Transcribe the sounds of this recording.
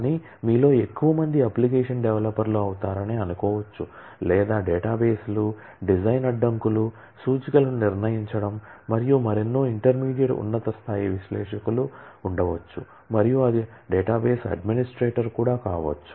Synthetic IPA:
aniː | miːlo̞ːe̞kːuʋɐmɐnd̪iɐplik̬eːʂɐnɖɛʋɐlɐpːɐɾloːɐwut̪aːɾɐniɐnukɔːʋɐt͡ʃːu | lɛːd̪aːɖeːʈaːbeːslu | ɖid͡ʒɐjnɐɖːɐŋkulu | suːd͡ʒiɡɐlniɾnɐjiɲt͡ʃɐɽɐmːɐɾijumɐɾenːoːiɳʈɐɾmiːɽijɐʈṵnːɐt̪ɐst̪ʰaːjiʋiʃlɛːʂɐkuluːɳɖɐʋɐt͡ʃːṵ | mɐɾijuɐd̪iɖeːʈaːbeːsɐ̰ɖminisʈɾeːʈɐɾkuːɽaːkaːʋɐ̰t͡ʃːu̥

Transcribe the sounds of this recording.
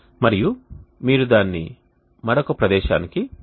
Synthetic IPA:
mɐɾijumiːɾud̪aːnːḭ | mɐɾokɐpɾɐd̪ɛːʃa̰ːniki

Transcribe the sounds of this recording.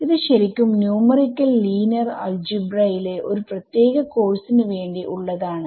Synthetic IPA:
iðɨɕɐɾikʲːumnjuːmɐrikʲːɐlːiːnɐrɐ̰ld͡ʑibrɐjile̞ʔo̞ɾuprɐt̪je̞ːɣɐko̞ːrsinɨʋe̞ːɳɖiʔuɭːɐðaːɳɨ

